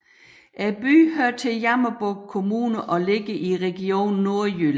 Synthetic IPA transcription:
ʔæb̥y̰ːhøɐ̰t͡sʰe̝jɑmɐb̥ɔɡ̥̚kʰːo̝muːnəʔɒ̽le̝ɡ̥əʔiʁɛɡ̥io̝̰ːnːo̝ɐjyl

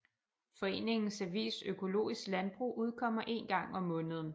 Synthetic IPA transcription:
fɒ̽e̝̰ːne̝ŋn̩sæʋḭːsøkʰo̝lo̝̰ːisɡ̥lænb̥ʁṵːʔuð̞ˠkʰɒ̽m̰ɐʔe̝̰nɡ̥ɑ̈ŋ̰ɒ̽mːɔ̽ːnəð̞̩ˠn̩

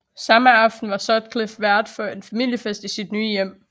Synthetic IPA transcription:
sɑ̈məɑ̈fd̥n̩ʋɑ̈sɒd̥kʰlefʋæɐd̥fɶɐe̝nfæmil̰jəfesd̥isid̥nyːjem̰

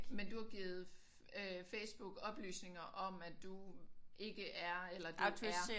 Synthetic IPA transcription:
mend̥uhɑ̈ɡ̥ḭːð̞̩ˠ | øfesb̥uɡ̥ɒ̽b̥ly̰ːsne̝ŋɐʔɒ̽mæd̥uʔe̝ɡ̥əʔæɐelɐd̥uæɐ

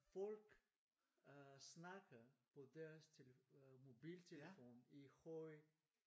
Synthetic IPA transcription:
fɔlɡ̥ | snɑɡ̥ɐpʰɔdɛɐst͡sʰelmobiːlt͡sʰelefoːnihɔɪ

